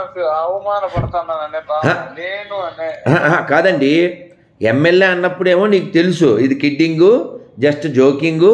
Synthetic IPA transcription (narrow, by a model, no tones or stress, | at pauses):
ɐʋɐmaːnɐpɐɽɐt̪aːnːaːnɐɳebaaneːnuɐneaakaːd̪ɐɳɖi | emːeljeːɐnːɐpːuɽe̞ːmoːniːkut̪elusuid̪ikiɖːiŋɡud͡ʒɐsʈd͡ʒoːkiŋɡu